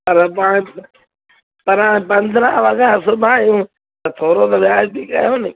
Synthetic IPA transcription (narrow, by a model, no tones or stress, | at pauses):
pɐɾpaːɽ̃ɪ̃ | pɐɾãːpɐ̃nd̪ɾəʋɐɡaːsʊbʱaːijũː | t̪ɐt̪ʰoːɾot̪ɐʋjaːd͡ʒt̪ikɐ̰joːnɪ